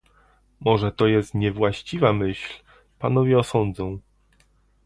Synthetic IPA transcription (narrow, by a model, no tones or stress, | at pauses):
mɔʐɛt̪ɔjɛst̪ɲɛvwaɕt͡ɕivamɘɕl | panɔvʲjɛɔsɔnd̪zɔ̃w̃